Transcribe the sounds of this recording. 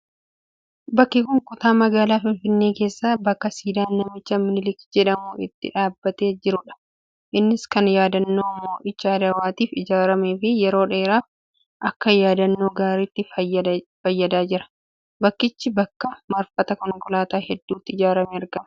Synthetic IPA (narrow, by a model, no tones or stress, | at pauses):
bɐkːɪkʊŋkʼʊt̪aːmɐɡaːlaːfɪnfɪnːe̞ːke̞ːsːaːbɐkːɐsiːd̪aːnnɐmɪt͡ʃːɐmɪnɪlɪkd͡ʒɛᶑɐmuːɪ̰t̪ːɪ̰ᶑaːbːɐt̪e̞ːd͡ʒɪɾʊᶑɐ̥ | ʔɪnːɪskɐnjaːd̪ɐnːo̞ːmːoːʔɪt͡ʃːɐɐd̪ɐwaːt̪iːfɪd͡ʒaːɾɐmeːfɪjɛɾo̞ːᶑe̞ːɾaːf | ʔɐkːɐjaːd̪ɐnːo̞ːɡaːɾiːt̪ːɪ | fɐjːɐd̪aːd͡ʒɪɾɐ̥ | bɐkːɪt͡ʃːɪbɐkːɐmɐɾfɐt̪ɐkɔŋkʊlaːt̪aːhɛd̪ːuːt̪ːɪɪd͡ʒaːɾɐmeɐɾɡɐmɐ